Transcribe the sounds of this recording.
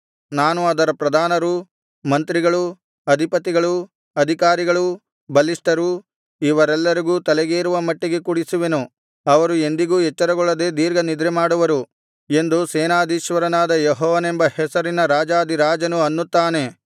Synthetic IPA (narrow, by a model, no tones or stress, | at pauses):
naːnuɐd̪ɐɾɐpɾɐd̪ʱaːnɐɾu | mɐnt̪ɾiɡɐɭu | ɐd̪ʱipɐt̪ːiɡɐɭu | ɐd̪ʱikaːɾiɡɐɭu | bɐlisʈɐɾu | iʋɐɾɛlːɐɾiɡuːt̪ɐlɛɡeːɾuʋɐmɐʈːiɡe̞kuɽisuʋe̞nu | ɐʋɐɾue̞nd̪iɡuːɛt͡ʃːɐɾɐɡɔɭːɐd̪e̞ːd̪iːɾɡɐnid̪ɾɛmaːɽuʋɐɾu | e̞nd̪usɛːnaːd̪iʃʋɐɾɐnaːd̪ɐjɛɦɔːʋɐnembɐhɛsɐɾinɐɾaːd͡ʒaːd̪iɾaːd͡ʒɐnuɐnːut̪ːaːne̞